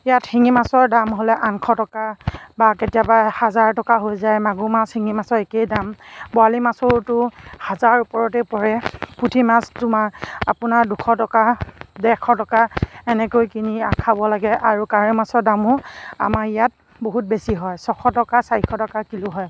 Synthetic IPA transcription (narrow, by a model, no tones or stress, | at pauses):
ijatxiŋimasɔɹdamɦolɛʔankʰɔtɔkabaketijabahazaɹtɔkaɦojzajmaɡumasxiŋimasɔɹekejdambɔalimasɔɹtʊhazaɹupɔɹɔtɛpɔɹɛputʰimastʊmaapʊnaɹdukʰɔtɔkadɛkʰɔtɔkaɛnɛkojkiniakʰabɔlaɡɛʔaɹukaɹimasɔɹdamʊa̰maɹijat̚ | boɦut̚besiɦɔjsɔkʰɔtɔkasaɹikʰɔtɔkakiluɦɔj